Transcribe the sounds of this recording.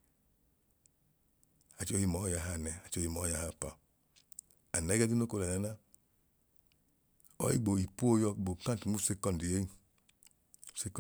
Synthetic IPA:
a˨t͡ʃo˧hi˧mɔ˨˦ja˨ɦa˧˨nɛ˨a˨t͡ʃo˧hi˧mɔ˨˦ja˨ha˧˨pa˨ | a˨nɛ˨˦ɡɛ˦di˦no˦ko˧la˨na˨˦na˦ | ɔ̰˨˦ḭ˦˨ɡ͡bo˨i˨pu˦o˦jɔ˧˨ɡ͡bo˨kã˦˨tu˨nu˦se˦kɔ˦ndi˨je˦i˦˨ | u˦se˧k

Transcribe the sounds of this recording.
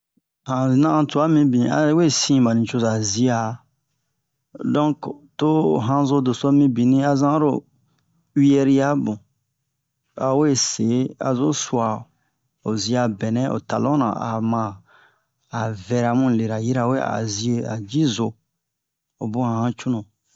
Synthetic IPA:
hã˨nã˦ã˨tu˨a˦mĩ˧bĩ˨a̰˨˦we˦˨sĩ˦ba˨nĩ˨t͡ʃo˦˧za˨zi˦a˨ | dɔ̃˦kto˦˨ɦã˦zo˦do˨so˦mĩ˦bĩ˨nĩ˦a˦zã˦ɾo̰˦˨ | wi˦ɛ˦ɾi˦ja˦bũ˨ | a˨we˦˨se˨˦a̰˨zo˦su˨a˨ | o˨zi˦a˧bɛ˨nɛ̃˦o̰˨ta˨lɔ̃˦nã̰˨a̰˨mãː˦˨ | vɛ˧ɾa˨mũ˦˨le˨ɾa˨ji˦ɾa˨we˦a̰˨zi˦e˦˨a̰˨d͡ʒi˦zo˨˧ | o˨bũ˦ã˨hã˦t͡ʃũ˦nõ˨

